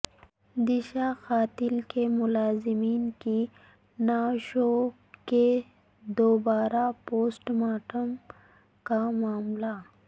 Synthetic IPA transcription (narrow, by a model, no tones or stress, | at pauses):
d̪iʃaxaːt̪ɪlkemʊlaːzɪmiːnki | naːʃo | ke | d̪oːbaːɾapoːsʈmaːʈəm | kamaːmla